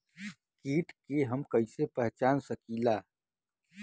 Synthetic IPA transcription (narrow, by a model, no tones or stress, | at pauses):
kiːʈkeɦɐmkɐisepɛɦt͡ʃaːnsɐkiːlaː